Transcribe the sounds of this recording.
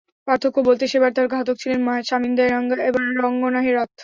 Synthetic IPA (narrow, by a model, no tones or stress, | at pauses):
paɾt̪ʰokobolt̪eʃebaɾt̪aɾɡaɦat̪̬ok̚t͡ɕʰilenmɔɦeʃamind̪aeɾɔŋɡaeboŋbɔŋɡonaɦeɾɔt̪